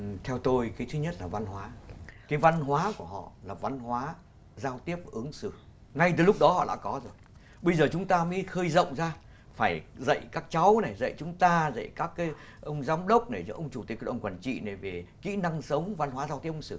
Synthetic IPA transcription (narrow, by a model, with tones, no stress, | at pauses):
t̪ʰɛ˧wt̪o˧jkaː˨˦t̪ʰɨ˨˦ɲə˦˥t̚laː˨˩va˧nɦwaː˨˦kaː˨˦jva˧nɦwaː˨˦ku˧˩əɦɔ̰˧˨laː˨˩va˧nɦwaː˨˦ | zaː˧wt̪i˦˥əp̚ʔɨ˨˦əŋsɨ˧˩ | ŋa˧jt̪ɨ˨˩˦lʊ˦˥k͡p̚ɗɔ˨˦hɔ̰˧˨ɗa̰ː˧˥kɔ˨˦zo˨˩j | ɓə˧jzəː˨˩t͡ɕʊ˨˦ŋ͡mt̪aː˧mə˨˦jxəː˧jzə̰˧˨wŋ͡mzaː˧ | faː˧˩jzə̰˧˨jkaː˦˥k̚t͡ɕa˨˦wna˨˩jzə̰˧˨jt͡ɕʊ˨˦ŋ͡mt̪aː˧zə̰˧˨jkaː˦˥kːaː˨˦jʔə˧wŋ͡mzaː˨˦wŋ͡mɗə˦˥wk͡p̚ɗe˧˩zɨ̰ː˧˥˦ʔə˧wŋ͡mt͡ɕu˨˩t̪i˨˦˥ək̚ŋkwaː˨˩nt͡ɕḭ˧˨na˨˩ve˨˩kḭ˧˥na˧ŋsə˨˦wŋ͡mva˧nɦwaː˨˦zaː˧wt̪i˦əʔsɨ˧˩˨